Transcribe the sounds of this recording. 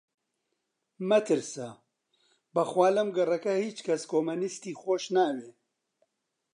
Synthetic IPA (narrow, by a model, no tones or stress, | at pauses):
mɐt̪ɨɾsa | bɐxwaːlɐmɡɐrɐkɐhiːt͡ʃkʰɐskʰoːmɐnist̪iːxoːʃnaːweː